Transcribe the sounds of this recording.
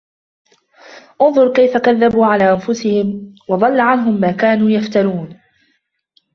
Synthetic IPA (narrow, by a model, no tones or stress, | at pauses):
ʔʊnðˤʊɾˤkajfakaðːabuːʕalaːʔanfʊsɪhɪmwɑd̪ˤɑlːaʕanɦʊmːaːkaːnuːjaft̪aɾuːn